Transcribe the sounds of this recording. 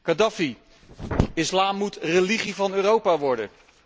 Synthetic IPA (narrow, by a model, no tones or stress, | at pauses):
kadɑfi | ɪslaːmːutreliχivɑnøːrowpaːʋɔɹdə̰